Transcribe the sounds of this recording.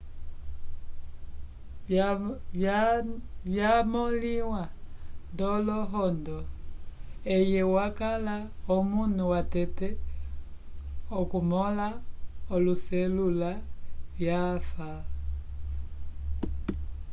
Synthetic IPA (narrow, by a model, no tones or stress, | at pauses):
vjamɔliwandɔlɔɦɔndɔ | ɛjɛwakalaɔmunuwatɛtɛ | ɔkumɔlaɔlusɛlulavjafa